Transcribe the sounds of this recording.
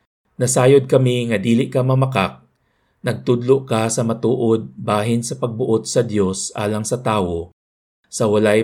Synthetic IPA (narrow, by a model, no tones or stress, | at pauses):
nɐsaːjod̪̚kɐmiŋɐd̪iːlɪʔkɐmɐmɐkak̚ | nɐɡ̚t̪ʊd̪loʔkasɐmɐt̪uːʔod̪̚baːɦɪnsɐpɐɡ̚bʊʔot̪̚sɐd̪jo̞sʔa̰ːlɐŋsɐt̪aːwo | sɐwɐlaj